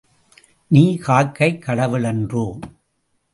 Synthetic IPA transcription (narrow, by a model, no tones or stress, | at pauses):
niːkaːɻkːɐɪkːɐɽɐʋɪlɛndroː